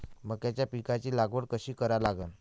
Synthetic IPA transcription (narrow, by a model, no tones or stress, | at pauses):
məɡ̚k̪jat͡ɕjapikat͡ɕiːlaɡʋəɽkəɕiːkəɾalaɡən